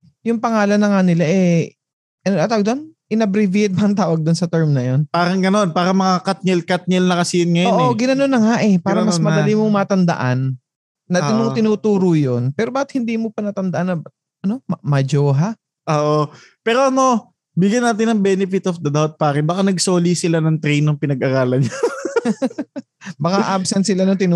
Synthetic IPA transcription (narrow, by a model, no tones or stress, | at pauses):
jʊŋpɐŋaːlɐnːɐŋanɪlaʔɛ | ɐnoɐt̪aːwɐɡd̪onʔɪnɐbɾɪviɛt̪̚mɐʔɐŋt̪aːwɐɡ̚d̪ʊnsɐt̪ɛɹmnɐjo̞npaːɾɐŋɡɐno̞npaːɾɐmɐŋakat̪̚ɲɛlkat̪̚ɲɛlnɐkɐsiːɪnŋɐjoʔoɡɪnɐnonːɐŋaʔɛpaːɾɾɐmɐsmɐɐlimoŋmaːt̪ɐnd̪ɐ̰ʔanː | ɐɐnʊŋt̪ɪnuːt̪uːɾʊjonpɛːɾobaːkɪt̪hɪnd̪iːmopɐnɐt̪ɐnd̪ɐʔanːɐ | ʔɐno̞mmɐd͡ʒoːɦa | ʔoːʔo | pɛːɾo̞ʔɐno̞ | bɪɡjɐnːaːt̪̬ɪnɐŋbɛnɪfɪt̪ofd̪ɐd̪awt̪̚paːɾɪbɐkanɐɡso̞ːlisɪlanɐŋt̪ɾɛjnɐŋpɪnɐɡʔɐɾaːlɐnɲo | bɐkaʔabsɛnt̪sɪlanʊŋt̪ɪnu